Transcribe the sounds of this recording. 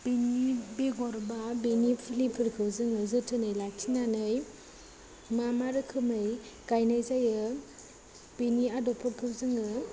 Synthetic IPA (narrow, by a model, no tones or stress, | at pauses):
b̥inibeɡɔɾbabinipʰilipʰɯɾkʰɯwzɯŋɯzɯtʰɯnɯjlak̚tʰinanɯj | mamaɾɯkʰɯmɯj | kajnajzajɯ | b̥iniadɔpʰɯɾkʰɯwzɯŋɯ